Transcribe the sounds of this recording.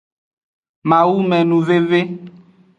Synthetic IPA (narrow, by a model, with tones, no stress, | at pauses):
mã˨wu˦mɛ̃˨nũ˨ve˦ve˦